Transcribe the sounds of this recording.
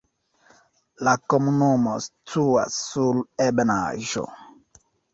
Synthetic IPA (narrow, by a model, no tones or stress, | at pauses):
lakɔmunɔmɔstuwa̰sulɛbɛna̰ʒɔ̰